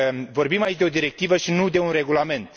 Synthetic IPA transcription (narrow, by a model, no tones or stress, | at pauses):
vo̞rbimait͡ʃd̪e̞o̞d̪iɾe̞k̚t̪ivəʃinud̪e̞unre̞ɡulame̞nt̪